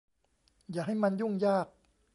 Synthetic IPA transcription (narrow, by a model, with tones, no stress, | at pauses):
jaː˨˩k̚ɦa˥˩jma˧nju˥˩ŋjaː˥˩k̚